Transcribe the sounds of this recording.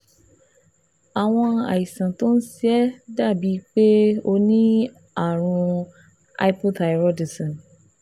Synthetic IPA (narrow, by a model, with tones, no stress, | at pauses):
a˨w̃ɔ̃˧a̰˨ji˨sã˨to˦n̩˦si˦ɛ˦da˦˨bi˨˦k͡pe˦o˧nĩ˦ | a˦˨ɾ̃ũ˧ | a̰˨˧i˦pɔ˦da˨ɾɔ˦di˨sɔ̃˨n